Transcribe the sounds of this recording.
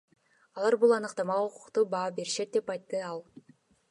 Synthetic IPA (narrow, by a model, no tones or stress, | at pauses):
ɑlˠɑɾbulˠɑnɯqt̪ɑmɑʁuqu̥qt̪ubɑːbe̞ɾiʃet̪̚d̪e̞pɑjt̪ːɯɑlˠ